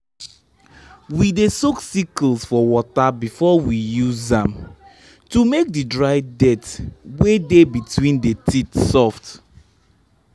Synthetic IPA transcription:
widesoksiklsfɔwɔtabifɔwijuzãm | tumek̚didɹaɪdɛtwedebitʰwĩndetʰitsɔft

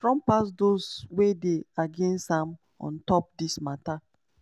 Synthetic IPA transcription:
fɹɔ̃mpasdozwedeaɡẽnstãm | ɔ̰̃ntɔp̚dismata

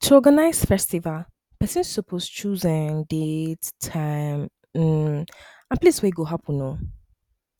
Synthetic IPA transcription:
tʰuɔɡanaɪz̥fɛstival | pɛsĩnssɔpʰost͡ʃʰuzɪ̃ŋditʰãɪm | m̩ | ãnplisweɡoɦapunõ

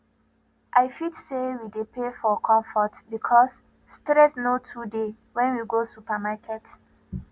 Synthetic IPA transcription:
ʔajfitsewidepefɔkʰɔ̃mfɔtbikʰɔsː | tɾɛsnotʰude | wɛ̃nwiɡosupamakʰɛt

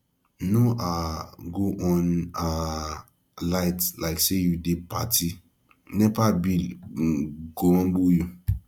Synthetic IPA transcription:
noʔaɡoʔɔ̃na | laɪtlaɪksejudepʰati | nɛvabi | ɡoɔ̃nboju

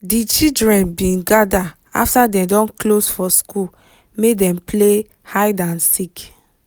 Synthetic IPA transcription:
dit͡ʃidɹɛ̃nbĩnɡada | a̰ftadɛ̃mdɔ̃nklosfɔskul | mek̚dɛ̃mple | hajdãnsik

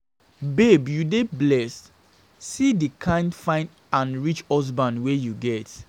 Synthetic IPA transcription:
bebjudeblɛsː | idikʰãɪ̃ndfãɪ̃n | ãnɹit͡ʃɔs̬bãnwejuɡɛt

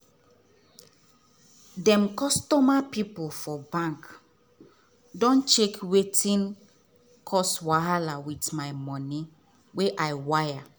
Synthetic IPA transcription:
dɛ̃mkɔstɔmapipolfɔbãŋk | dɔ̃nt͡ʃekwetĩn | kʰɔswaalawitmajmɔ̃ni | weʔajwaja

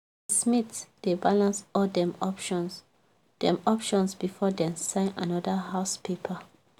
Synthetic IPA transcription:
smitdebalãnsɔldɛ̃mɔpʃɔ̃ns | d̥ɛ̃mɔpʃɔ̃nsbifɔdɛ̃nsãɪ̃na̰nɔdəhaʊspʰepʰa

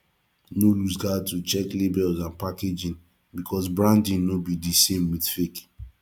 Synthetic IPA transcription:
nolusɡatut͡ʃɛklebɛlzãnpaked͡ʒĩn | bikʰɔs̬bɹãndĩnnobidisẽmwiθfek

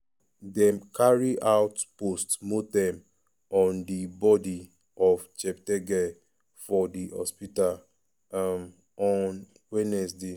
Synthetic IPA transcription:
dɛ̃mkʰaɹiʔaʊtpostmotɛ̃m | ɔ̃ndibɔdi | ɔft͡ʃɛptɛɡɛ | fɔdihɔ̰spital | m | ɔn | wɛnɛs̬de

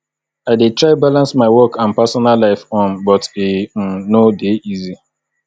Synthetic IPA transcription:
aɪdetɹaɪbalãnsmaɪwɔkʰãnpasɔnalaɪfɔ̃nbɔtem̩nodeizi

